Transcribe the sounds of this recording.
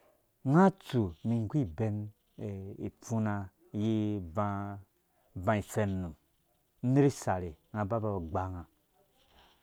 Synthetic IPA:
ŋa˦t͡su˨mi˨ŋ˦ɡʷi˦be˧n˨ | i˨fu˦na˧˦ | ji˦va˧ | vã˧i˨se˧nnũ˨ | n̩˦ni˦ɾi˦sa˨ɾi˨ŋa˧ba˦ba˧ba˨ɡ͡ba˨ŋã˨

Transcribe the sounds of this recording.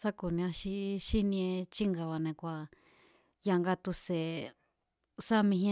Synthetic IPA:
sa˦ku˨nĩ˧ã˧ʃi˧˦ʃi˦nĩ˧ẽ˧t͡ʃi˦ŋɡa˧βa˨nẽ˨˧kʷa˨ | ja˧ŋɡa˧t̪u˧se˨ | sa˦mĩ˧ɦĩ˦˧

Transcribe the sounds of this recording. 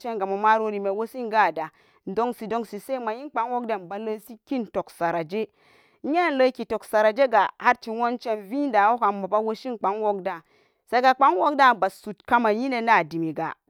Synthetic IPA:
t͡ʃe˦nɡa˨ma˨ma˦ɾo˦ɾi˨me˨wo˦si˦ŋɡa˦˨da˨ | n˦do˦ŋsi˨do˦ŋsi˨se˦ma˨ji˦nk͡pa˨˦ŋwo˦k̚da˦˨nba˨lə˦si˦ki˦nto˨ksa˨ɾa˨d͡ʒe˦ | e˦˨lə˦ki˨to˨ksa˨ɾa˨d͡ʒe˦ɡa˨ha˦ɾt͡ʃi˨wo˦nt͡ʃe˦nvi˦n˦da˨wo˦ka˨a˨ba˦wo˦ʃi˦nk͡pa˨˦ŋwo˦k̚da˨ | se˦ɡa˨k͡pa˦ŋwo˦k̚da˦ba˨su˨tka˦ma˨ji˦ne˨na˦˨di˨mi˨ɡa̰˨

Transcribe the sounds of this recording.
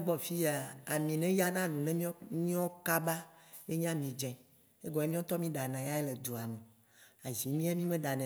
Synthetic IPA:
ɡ͡bɔ˨fi˦ja˨a˨mĩ˨nɛ̃˦ja˦nã˦nũ˨nɛ̃˦mĩ˦mĩ˦ɔ˦ka˦ba˦je˦ɲã˦mĩ˨d͡ʒɛ̃˨ | e˦ɡɔ˨e˦mĩ˦ɔ̃˦t̪ɔ˦mĩ˦ɖa˨nã˨ja˦ɛ˦le˨d̪o˨a˨mẽ˨ | a˨zi˨mĩ˦a˦mĩ˦mẽ˦ɖa˨nɛ̃˨

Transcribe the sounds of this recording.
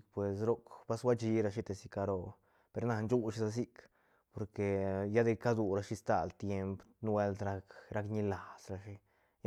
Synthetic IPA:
kpwe˨sɾo˦kba˦swa˦t͡ʃi˧˦ɾa˧ʃ̬i˦t̪e˨si˧ka˧ɾo˧ | pe˧ɾna˧nt͡ʃu˦ʃi˧˦sa˧s̬i˦k | po˨ɾke˨ja˦d̪e˧ka˦d̪u˧˨ɾa˧ʃi˧˦st̪a̰˨lt̪je˧mpn˦we˧lt̪ɾa˧kɾa˧k̬ɲi˧la˨sɾa˧ʃi˦ | j

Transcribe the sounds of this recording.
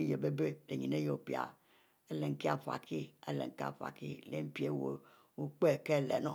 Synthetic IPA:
je˨be˦be˦de˨ɲi˨ne˦jo˨pi˨a̰˨ | e˦le˨ŋ̩˨˦ki˦a˨fa̰˨kʰi˦a˦lḛ˨ŋ˨ki˦a̰˦˨fa̰˨kḭ˦le˦m̩˦pi˨˦e˦wo˨ | wo˦k͡pe˦˨ke˦˨lɛ̰˨nɔ˦˨

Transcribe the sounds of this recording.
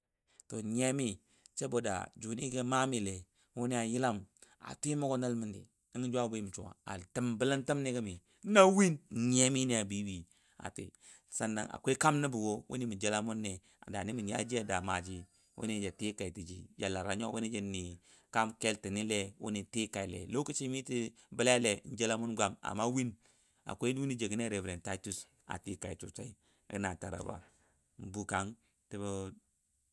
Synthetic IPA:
to˨ɲe˦mi˦ | t͡ʃe˦bo˨da̰˨d͡ʒu˨ni˦ɡe˦ma˦mi˨le˨ | wu˦ni˦a˨ji˦la˦ma̰˨tʷi˦mo˦ko˦na˦lmi˦ndḭ˨ | i˦ŋi˦d͡ʒʷu˦a˦˨bo˦i˦mi˨t͡ʃu˨a̰˨a˨tə˦mbə˦la˦ntə˦mni˦kə˦mi˨˦ | na˦wi˦n˨ɲe˦mi˦ni˦a˨bi˦wi˨ | a̰˨tḭ˨ | sa˦nːa̰˨ŋa̰˨kʷe˦ka˦mni˦bu˨wo˦wʔṵ˦ni˦mi˨d͡ʒa˦la˦mu˦nːe˨ | a˨da˨ni˦mi˨ni˨˦a̰˦d͡ʒi˦a˨da˨ma˨d͡ʒi˦ | wʔṵ˦ni˦d͡ʒa˨ti˦ka˨i˨ti˨d͡ʒi˨d͡ʒa˨la˨ɾa˨ɲo˦wʔu˦i˦d͡ʒi˦ni˨ | ka˦mke˦lti˨ni˦le˦wṵ˦ni˨ti˦ka˨i˨lḛ˨lo˦ku˦t͡ʃi˦mi˦ti˦ | ba˦la˦a˦le˨n̩˦d͡ʒe˦la˦mu˦nɡʷa˨ma̰˨ma˦wi˦n | a̰˨kʷe˦wi˦ni˦d͡ʒe˨ɡi˦ne˦ɾe˨vɾe˨nta˦tu˦s | a̰˨ti˦ka˨i˨tu˨t͡ʃa˦i˦ | a̰˨ɡi˦na˨ta˨ɾa̰˨ba̰˨ | m̩˨bu˦ka˦n | ti˦bu˦

